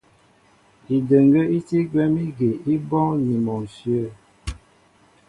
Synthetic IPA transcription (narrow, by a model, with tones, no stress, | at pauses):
i˨də˨ŋɡə˦i˦ti˦ɡwɛ˦mi˦ɡe˨i˦bɔ˦ŋni˨mɔ˨ŋ˨sjə˦˨